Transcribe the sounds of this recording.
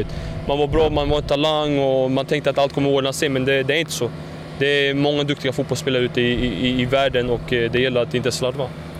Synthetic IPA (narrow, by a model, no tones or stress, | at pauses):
t̪manvaɾbɾɑːmanvaɾɛt̪ʰalaŋːɔmant̪ʰɛŋk̚t̪əat̪alt̪kʰɔmːəɾoːd̪ənat̪seːmɛnd̪ɛd̪ɛæɾɪnt̪ə̥sɔ | d̪ɛæmɔŋːad̪ɵkt̪ɪɡafuːt̪bɔlspeːlaɾəʉ̟ːt̪əɪɪːvæːɖənɔkːd̪ɛjɛlːəɾat̪d̪ɛɪnt̪əslɑːʈvɑ